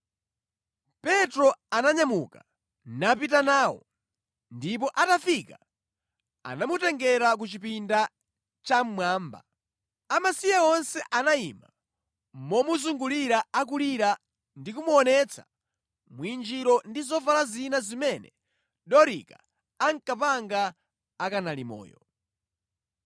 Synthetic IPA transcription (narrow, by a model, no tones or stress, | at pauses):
pɛtɾɔanaɲamṵka | napit̬anaːwɔ̰ | ndip̬ɔʔatafika | a̰namutɛŋɡɛɾak̬ut͡ʃipinda | t͡ʃam̩mwaːmba̰ | amasijaɔnsɛʔanaima̰ | mɔmuzuŋɡuliɾaak̬uliɾa | ndik̬umuɔnɛt͡sʰa̰ | mwind͡ʒiɾɔndizɔvalazinazimɛnɛ | ɗɔɾḭka̰ | aŋkapaŋɡaː | kanalḭmɔ̰ːjɔ